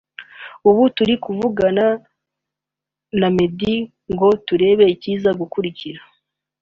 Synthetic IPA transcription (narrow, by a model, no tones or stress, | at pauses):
uβutuɾikuvuɡana | name̞di | ŋɡo̞tuɾe̞ːβe̞iciːzaɡukuɾiciɾa